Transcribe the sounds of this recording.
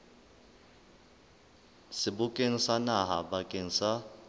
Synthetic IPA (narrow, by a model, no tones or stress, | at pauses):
sɪbʊkʼen̩sanaɦabakʼen̩sa